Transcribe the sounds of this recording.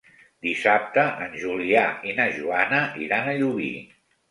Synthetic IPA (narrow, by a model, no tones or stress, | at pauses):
d̪isap̚t̪əʔənʲʒuliainəʒuanəʔḭɾanəʎuβḭ